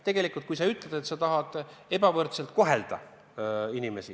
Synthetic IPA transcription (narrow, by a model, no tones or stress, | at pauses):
t̪e̞ɡ̥e̞likˑult̪kujs̬ɑyt̪ˑled̪̥e̞t̪sɑt̪ɑɦɑd̪̥e̞bɑvɤrt̪selt̪̚ko̞ɦeld̪̥ɑ̰ | inime̞si